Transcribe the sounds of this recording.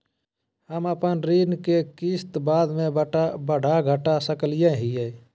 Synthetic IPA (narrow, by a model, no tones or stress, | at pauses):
həməpənɾiːnkekiːst̪baːd̪mẽbəɖʱaɡʱəʈasəklɪjẽɦie